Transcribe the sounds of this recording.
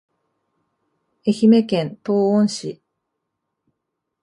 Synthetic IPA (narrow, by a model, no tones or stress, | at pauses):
e̞çʲime̞kẽ̞nt̪o̞ːõɰ̃ɕi